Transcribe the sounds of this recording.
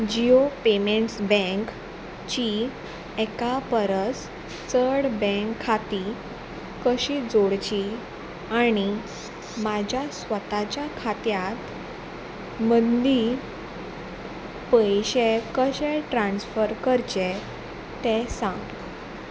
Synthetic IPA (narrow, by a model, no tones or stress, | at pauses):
d͡ʑiopemeɳʈsbɛ̃ŋk | t͡ɕi | ɛkapəɾəs | t͡səɽbɛ̃ŋkʰːat̪i | kəɕid͡zoɽt͡ɕi | aɽ̃i | mad͡ʑʱjasʋət̪at͡ɕakʰat̪jat̪ | mənd̪i | pəjɕekəɕɛʈɾãnsfəɾkəɾt͡ɕe | t̪ɛ̃sãŋɡ